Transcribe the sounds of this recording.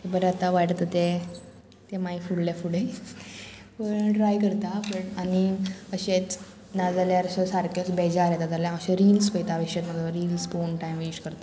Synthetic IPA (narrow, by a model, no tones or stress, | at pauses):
t̪ebəɾeat̪aʋaʈt̪ət̪e | t̪emaifuɽljafuɽe | pəɳʈɾajkəɾt̪abəʈaniəɕet͡s | nad͡zaljaɾɕəsaɾkət͡sbɛd͡ʑaɾɛt̪ad͡zaljãəɕaɾiːlspəjt̪aʋeʂet̪məd̪ʱəɾiːlsponʈajmʋiɕkəɾt̪a